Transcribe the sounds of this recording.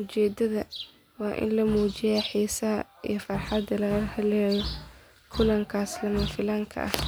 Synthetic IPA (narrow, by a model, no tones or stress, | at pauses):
ʊt͡ʃɛːd̪ɐðɐ | wɑːʔɪ̰nlɐmuːt͡ʃɪjaːħiːsɐɦɐ | ḭjɞfɑrħɑd̪ɐlɐɣɐhɐlɛːjɔ | kʰʊlɐŋkʰaːslɐmɐfɪlaːŋkʰɐ̰ʔɐ̰h